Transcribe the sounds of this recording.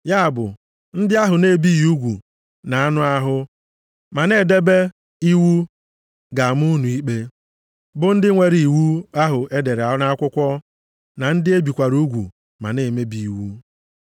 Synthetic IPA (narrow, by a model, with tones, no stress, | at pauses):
ja˦a˨bʊ̰˨ | n̩˦dɪ˦a˦ɦʊ˨ne˨bi˦ju˦ɡʷṵ˨ | na˨a˦nʊ˦a˦ɦʊ˦ | ma˨ne˦˨de˦be˦ | i˦wu˦ | ɡa˨m˦u˦nu˨i˦k͡pe˦ | bʊ˦n̩˦dɪ˦ŋʷe˨ɾi˨i˨wu˦a˦ɦʊ˨ʔe˦de˨ɾa˨na˦kʷʊ˦kʷɔ˦ | na˨n̩˦dɪ˦e˦bi˨kʷa˨ɾu˦ɡʷṵ˨ | ma̰˨ne˨me˦bi˨i˨wu˦